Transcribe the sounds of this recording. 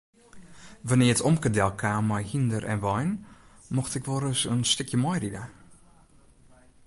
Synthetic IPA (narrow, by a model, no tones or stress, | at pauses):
ʋanɪːəətʰɔmkədɛlˠkʰaːmɔjhindərʔɛ̰nʋɔjn | mɔxtɪkʋoɾəsənstɪkʰjəmɔjridə